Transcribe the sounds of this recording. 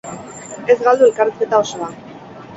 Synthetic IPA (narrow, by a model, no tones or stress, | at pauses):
e̞zɣald̪ue̞lkaɾeske̞t̪ao̞so̞a